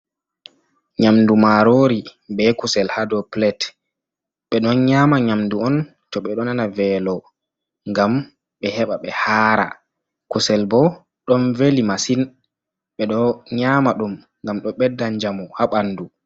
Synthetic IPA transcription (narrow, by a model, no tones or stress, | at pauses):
ɲamdumaɾoɾibɛkusɛlhadɔplɛt | ɓɛɗɔnɲamaɲamduɔn | tɔɓɛɗɔnanavɛlɔ | ŋɡam | ɓɛhɛɓaɓɛhaːɾa̰ | kusɛlbɔ | ɗɔnvelimasin | ɓɛɗɔɲaːmaɗum | ŋɡamɗɔɓɛdːaɲd͡ʒamɔhaɓanːdu